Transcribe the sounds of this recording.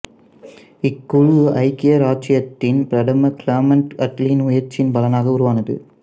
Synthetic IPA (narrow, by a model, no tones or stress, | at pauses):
ɪkːʊɻʊʔɐɪkːɪjɐɾaːt͡ʃɪjɐt̪ːɪnpɪɾɐɽɐmɐklaːmɐɳʈɐʈliːnʊjɐɾt͡ʃɪnpɐlɐnaːɣɐʊɾʊʋaːnɐðɯ̰